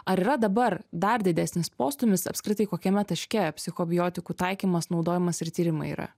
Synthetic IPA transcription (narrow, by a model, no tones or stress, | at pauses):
ɐɾiːɾɐd̪ɐbɐɾd̪ɐɾd̪ʲɪd̪ʲæsʲnʲɪspoːst̪ʊmʲɪsɐ̰pʲskɾʲɪt̪ɐɪkoːkʲɛmʲɛt̪ɐʃʲkʲɛpʲsʲɪxoːbʲɪjoːt̪ʲɪkuːt̪ɐɪkʲiːmɐsnɒʊd̪oːjɪmɐsɪɾt̪ʲiːɾʲɪmɐɪḭːɾɐ̰